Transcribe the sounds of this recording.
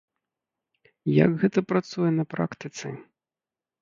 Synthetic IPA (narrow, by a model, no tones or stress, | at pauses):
ja̰ɡɣɛt̪ɐpɾat̪sujɛnɐpɾa̰kt̪ɨt̪sɨ